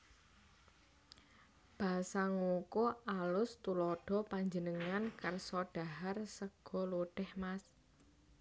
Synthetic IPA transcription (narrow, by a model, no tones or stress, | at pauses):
b̥a̤saŋukoalʊst̪ulɔɖ̥ɔ̤paɲd͡ʒənəŋankərsɔɖ̥a̤ɦarsəɡ̥ɔ̤luɖ̥ɛhmas